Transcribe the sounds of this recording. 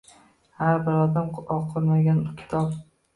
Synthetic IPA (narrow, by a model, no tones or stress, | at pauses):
haɾbɪɾɒd̪amɒqʰoɾmaɡʲankʲʰɪ̥t̪ʰɒp